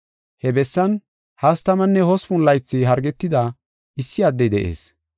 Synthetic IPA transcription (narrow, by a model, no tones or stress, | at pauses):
hɛbɛsːɐn | hɐst̪ɐmɐnːɛhɔsfʊnlːɐjt͡sːɪɦɐɾɡɛt̪ːɪd̪ɐ | ɪsːɪɐd̪ːɛjd̪ɛʔḛːs